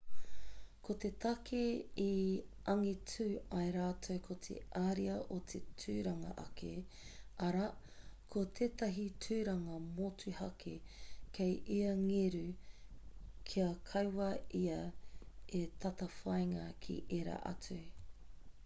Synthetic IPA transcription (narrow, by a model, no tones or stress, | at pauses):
kot̪et̪ɐkʰeiʔɐŋitʰʉɐjɾaːtʰowkʰot̪ʰḛʔaːɾiɐʔot̪ʰetʰʉːɾɐŋɐ̰ʔɐ̰kʰe | ɐɾɐ | kʰot̪ʰeːt̪ɐɦitʰʉːɾɐŋɐmotʉhɐkʰekʰejʔiɐŋeɾʉ | kʰiɐkʰɐjwɐiɐ | et̪ʰɐt̪ɐfajŋɐkʰḭʔeɾa̰ʔɐ̰t͡sʉ